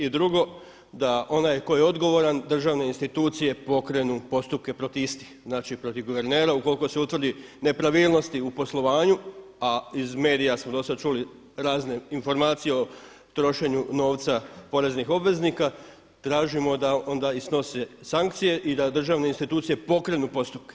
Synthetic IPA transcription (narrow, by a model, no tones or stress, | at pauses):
id̪ɾuɡo̞ | d̪aʔo̞najko̞jeo̞d̪ɡo̞ʋo̞ɾand̪r̩ʒaʋne̞inst̪it̪uːt̪sije̞po̞kɾe̞nupo̞st̪up̚ke̞pɾo̞t̪ist̪i̥xznaːt͡ʃipɾo̞t̪iʋɡoʋe̞ɾne̞ːɾauko̞likose̞ut̪ʋr̩d̪ine̞pɾaʋiːlˠno̞st̪iupo̞slˠo̞ʋaːɲu | aizme̞ːd̪ijasmod̪o̞sad̪̚t͡ʃuli | ɾaːzne̞info̞ɾmaːt̪sijeo̞ | t̪ɾo̞ʃe̞ɲuno̞ːʋt̪sapo̞ɾe̞znixo̞bʋe̞znika | t̪ɾaːʒimo̞d̪ao̞nd̪aisno̞sesaŋk̚t̪sije̞ʔid̪ad̪r̩ʒaːʋneinst̪it̪uːt̪sije̞po̞kɾe̞nupo̞st̪up̚ke̥